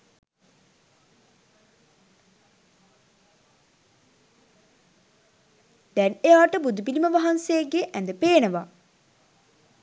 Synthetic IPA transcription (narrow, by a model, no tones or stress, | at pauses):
d̪̥ɛnejaːʈəbud̪upiliməʋaɦansejeɡeʔɛnd̪əpeːnəʋa